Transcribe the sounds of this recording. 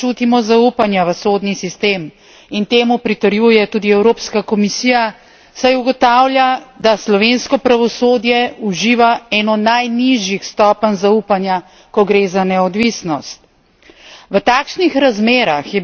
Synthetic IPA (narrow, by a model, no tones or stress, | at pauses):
uːt̪imɔzaupanjaʋəsoːd̪nisist̪eːm | int̪eːmupɾit̪əɾjuːjɛt̪uːd̪iɛwɾoːpskakɔmisiːja | sajuɡɔt̪aːwljad̪aslɔʋeːnskɔpɾaʋɔsoːd̪jɛuʒiːʋaɛːnɔnajniʒjixst̪ɔːpənzauːpanja | kɔɡɾeːzanɛɔd̪ʋisnɔst̪̚ | ʋət̪aːkʃnixɾazmeːɾaxjɛ